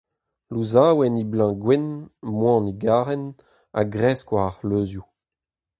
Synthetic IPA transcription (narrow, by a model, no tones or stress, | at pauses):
luzaːwɛniblɑ̃ɡwɛnmwɑ̃niɡaːʁɛn | a̰ɡʁɛːskwaaʁløːzju